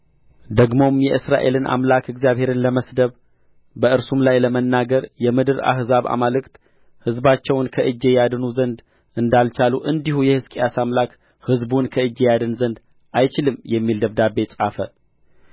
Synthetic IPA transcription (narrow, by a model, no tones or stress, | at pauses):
d̪əɡmo̞mjɛʔɨsɾa̰ʔe̞lɨnʔa̰mlakɨɡzijaβhe̞ɾɨnləməsd̪əβ | bəʔɨɾsumlajləmənːaɡəɾjɛmɨd̪ɨɾa̰hzaβa̰malɨkt̪ | hɨzbat͡ʃːɛwnkʰəʔɨd͡ʒːe̞jad̪ɨnuzənd̪ | ʔɨnd̪alt͡ʃaluʔɨnd̪ihujɛhɨskʼijasamlak | hɨzbunkʰəɨd͡ʒːejad̪ɨnzənd̪ | ʔajt͡ʃɪlɨmjɛmːild̪əβd̪abːe̞sʼafə̰